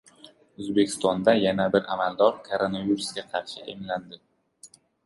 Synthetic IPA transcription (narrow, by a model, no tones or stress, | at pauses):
ɵzbekʲʰɪ̥st̪ɒnd̪ajanabɪɾamald̪ɒɾkʰoɾonaviɾusɡʲaqʰɑɾʃɪʔḛmland̪ɪ